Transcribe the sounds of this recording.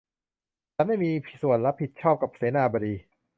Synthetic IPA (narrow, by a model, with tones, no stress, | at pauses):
t͡ɕa˨˦ma˥˩jmiː˧pʰi˨˩su˨˩ənɾa˦˥pʰi˨˩t̪̚t͡ɕʰɔː˥˩p̚ka˨˩p̚seː˩˦naː˧baː˧ɾiː˧